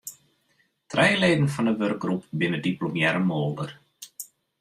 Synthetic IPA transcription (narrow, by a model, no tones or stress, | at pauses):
trɛjleːdənfɑndəʋørɡ̚ɡrupbɪnədiplomjɛɾəmolˠdər